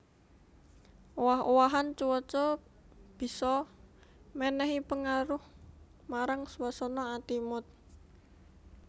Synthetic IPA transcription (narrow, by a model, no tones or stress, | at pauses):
ʔowaɦowaɦant͡ʃuwɔt͡ʃɔ | b̥i̤sɔ | mɛnɛɦipəŋaɾʊh | maɾaŋsuwasɔnɔat̪imʊt̪̚